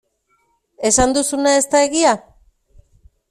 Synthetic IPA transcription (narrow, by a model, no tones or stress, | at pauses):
e̞sand̪usunae̞st̪ae̞ɣia